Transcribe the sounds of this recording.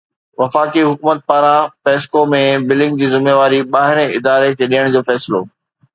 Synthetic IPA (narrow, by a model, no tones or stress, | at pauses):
ʋɐfaːkiɦʊkuːmət̪̚paːɾãpeːskomẽbɪlɪ̃ŋɡ̚d͡ʑiːzɪmeːʋaːɾiɓaːɦɪɾẽɪd̪aːɾek̪ʰeːɗijəɽ̃d͡ʑoːfɛːsɪlo̰ː